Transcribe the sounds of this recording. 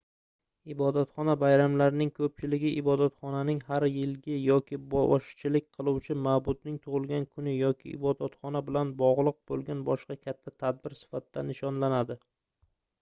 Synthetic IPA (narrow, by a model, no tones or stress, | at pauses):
ɪbɒd̪at̪χɒnabajɾamlaɾɪnɪŋkʰɵp̚t͡ʃʰɪlɪɡʲɪʔɪbɒd̪at̪χɒnanɪŋhaɾjɪlɡʲɪjɒkʲʰɪbɒʃt͡ʃʰɪlɪkʲqʰɨlˠuwt͡ʃʰɪmawbʊd̪nɪŋt̪ʰʊʁɨlˠɡʲankʰʊnɪjɒkʲʰɪ̰ʔɪ̰bɒd̪at̪χɒnabɪlanbɒʁlˠɨq̚bolˠɡʲanbɒʃqɑkʲʰat̪ʰːat̪ʰad̪̚bɪɾsɪ̥fat̪̚ɪd̪anɪʃɒnlanad̪ɪ